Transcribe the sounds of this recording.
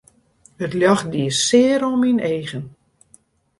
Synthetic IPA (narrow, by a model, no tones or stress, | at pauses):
ətljɔxdiəsɪəɾomineːɣən